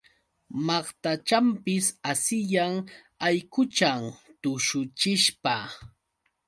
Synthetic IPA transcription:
mɑχt̪at͡ʃampɪsasɪjaŋ | ajkʊt͡ʃamt̪ʊʃʊt͡ʃɪʃpa

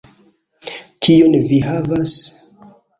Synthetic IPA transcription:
kʰionviɦavas

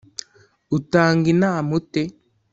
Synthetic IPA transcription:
utaŋɡinamute

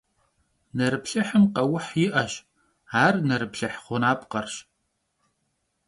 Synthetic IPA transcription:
nɐɾɨpɬɐħəmqɐwʊħjɪʔɐɕ | aːrnɐɾɨpɬɐħχʷʊnaːpʼqɐrɕ

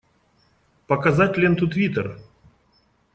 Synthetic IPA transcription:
pɐkɐzatʲlʲent̪ut̪vʲit̪ər

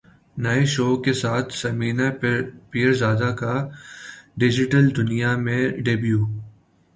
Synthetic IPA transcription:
nɐeʃoːkesaːt̪ʰsɐmiːnapiːəɾzaːd̪aka | ɖɪd͡ʒɪʈəld̪ʊnijamẽɖebjuː

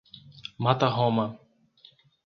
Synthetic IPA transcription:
mat̪aɦɔma

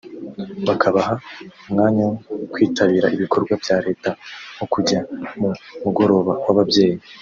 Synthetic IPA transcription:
βakʰaβaɦaumŋaːɲawkwiːtaβiːɾaiβikʰo̞ɾɡwavjaɾe̞ːtahokuɟamumuɡo̞ɾo̞ːβawaβabje̞ːji

